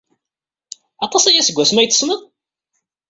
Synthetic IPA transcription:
ɑt̪ˤɑsæjæsəɡʷːæsmæjt͡sːə̥sməðˤ

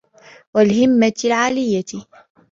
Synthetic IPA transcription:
walɦɪmːalʕaːlɪjːa

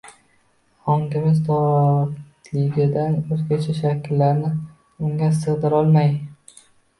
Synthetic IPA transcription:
hɒŋkʲɪmɪzt̪ɒ | lɪɡʲɪd̪anɵzkʲat͡ʃʰaʃakʲʰɪlːaɾnɪ | ʊŋɡʲasɨʁd̪ɪɾɒlˠmaj

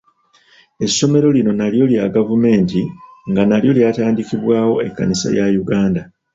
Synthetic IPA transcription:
e̞sːo̞me̞ɾo̞lino̞naljo̞ljaɡavume̞ːntiŋɡanaljo̞ljaːtaːndikiβwaːwo̞e̞kːa̰nisa̰jajuɡaːnda

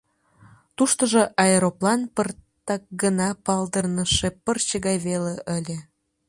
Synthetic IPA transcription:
t̪uʃt̪əʒŏʔɑeɾoplɑnpərt̪ɑk̚ɡənɑpɑld̪ərnəʃepərt͡ɕəɣɑjβeleʔəlʲe

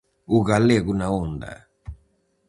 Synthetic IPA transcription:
uɣaleakunaond̪a̰

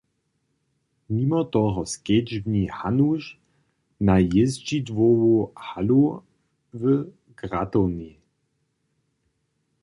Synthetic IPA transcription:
mimɔt̪ɔɦɔskɛd͡ʒbɲihanuʃ | najɪzd͡ʒid̪vɔwuhalu | və | ɡ̥ʁat̪ɔni

